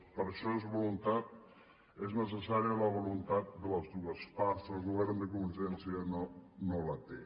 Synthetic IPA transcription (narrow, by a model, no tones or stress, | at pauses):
pəɾʃɔezβulunt̪at̪̚ | eznəsəsaɾiələβulunt̪at̪̚d̪ələzðuəspaɾzðəlˠɣuβɛɾnd̪əkumənsɛnsiənonolət̪e